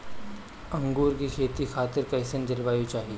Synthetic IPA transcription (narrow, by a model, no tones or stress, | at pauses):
ɐ̃ŋɡuːɾkikʰeːt̪ikʰaːt̪ɪɾkɐɪsənd͡ʒɐlʋaːjũt͡ʃaːɦieː